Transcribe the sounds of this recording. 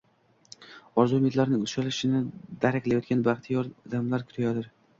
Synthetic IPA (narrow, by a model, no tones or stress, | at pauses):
ɒɾzumet̪laɾnɪŋʊʃalɪʃɪnɪd̪aɾakʲlajɒt̪̚kʲanbaχt̪ʰijɒɾd̪amlaɾkʲʰʊ̥t̪ʰajad̪ɪɾ